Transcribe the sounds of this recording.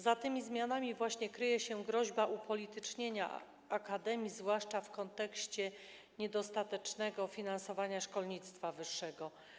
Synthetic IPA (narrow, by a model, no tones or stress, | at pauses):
zat̪ɘmʲizmʲjanamʲivwaɕɲɛkɾɘjɛɕɛɡɾɔʑbaʔupʰɔlʲit̪ɘt͡ʂɲeɲa̰ | akad̪ɛmʲjizvwaʂt͡ʂafkɔnt̪ɛkɕt͡ɕɛ | ɲɛd̪ɔst̪at̪ɛt͡ʂnɛɡɔfʲinansɔvaɲaʂkɔlɲit̪st̪favɘʂːɛɡɔ